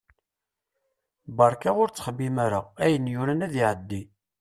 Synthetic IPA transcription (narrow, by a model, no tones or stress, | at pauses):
bɑɾˤkaʊɾt͡sːə̥χbimæɾəʁæjənjʊɾænæðiʕəd̪ːi